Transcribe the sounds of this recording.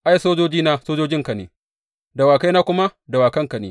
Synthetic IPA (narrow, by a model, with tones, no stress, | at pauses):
ʔa˦jsoː˦d͡ʒoː˦d͡ʒiː˦naː˦soː˦d͡ʒoː˦d͡ʒɪ˦ŋka˨nḛː˨ | da˨waː˨ka˦jnaː˦kʷʊ˦ma˦da˨waː˨kɐ˦ŋka˨nḛː˨